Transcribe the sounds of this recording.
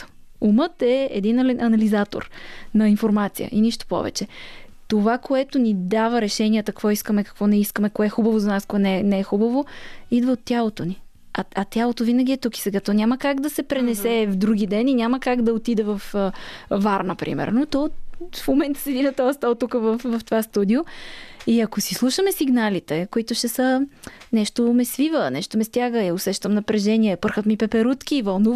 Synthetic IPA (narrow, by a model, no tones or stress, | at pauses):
umət̪ɛɛd̪inɐlinʔɐnɐlizat̪o̰ɾnɐinfoɾmat̪sijə̰ʔiniʃt̪o̥pɔ̰vɛ̰t͡ʃɛt̪ovakoɛt̪onid̪avəɾɛʃɛniət̪ɐkvɔiskəmɛkɐ̥kvɔnɛiskəmɛkoɛxubəvozɐnaskoɛnɛnɛɛxubəvoid̪vəot̪ːjalˠot̪oni | ɐɐt̪ʲjalˠot̪ovinəɡʲiɛt̪uki̥sɛɡat̪ɔnʲaməkaɡd̪ɐsɛpɾɛnɛsɛvd̪ɾuɡ̟id̪ɛninʲaməkaɡd̪ɐot̪id̪ɛvɐf | vaɾnɐpɾḭmɛ̰ɾnot̪ɔfmomɛnt̪ə̥sivinət̪ɔst̪alˠt̪ukəvɐfvɐft̪ovast̪ud̪ioiɐkosislˠuʃəmɛsiɡnalit̪ɛkoit̪ʊʃɛsənɛʃt̪omɛsvivənɛʃt̪omɛst̪ʲjaɡəjɐosɛʃt̪əmnɐpɾɛʒɛniɛpəɾxət̪mipɛpɛɾut̪kʲiːvɐlˠnuv